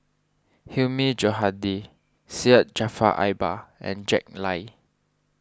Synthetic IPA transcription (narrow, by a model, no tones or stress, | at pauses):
himid͡ʒɔɦadi | siət̚d͡ʒafa̰ʔa̰jbaɛ̰̃nd͡ʒɛk̚laɪ